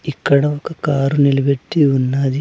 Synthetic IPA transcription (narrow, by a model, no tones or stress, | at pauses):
ikːɐɽɐokːɐkaːɾunilɐbeʈːiunːaːd̪i